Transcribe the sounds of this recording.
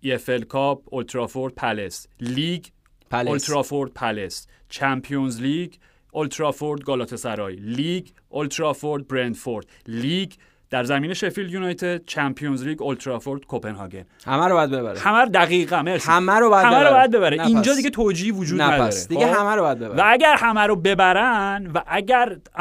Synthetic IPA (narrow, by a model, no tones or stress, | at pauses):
iefelkʰɒːb̚olt̪ʰɾɒːfoɾd̪̚pʰælesliːɡ | plolt̪ɾɒːfoɾd̪̚pʰæles | t͡ʃʰæmpʰijonzliːɡ | olt̪ʰɾɒfoɾd̪̚ɡɒːlɒːt̪ʰe̞sæɾɒːjliːɡ | olt̪ʰɾɒfoɾd̪̚bɾend̪foɾd̪̥liːɡ | d̪̥æɾzæmiːneʃefiljunɒjt̪ʰed̪̥̚t͡ʃʰæmpʰijonzliːɡo̞lt̪ʰɾɒfoɾd̪̥kʰopenhɒ̰ːɡe̞̰n | hæmæɾobɒjæd̪beβæ̰ɾ̰hæmæɾod̪æɣiːɣæmeɾsæmæɾobɒhæmmæɾobɒjæd̪̚be̞βæɾeiːnd͡ʒɒːd̪iɡɟet̪ʰoːd͡ʒiːhivod͡ʒuːd̪nnæd̪ɒːsɾed̪iɡehæmæɾobɒjæd̪bebvææɟæɾhæmæɾobe̞bæɾænvæʔæɟæɾ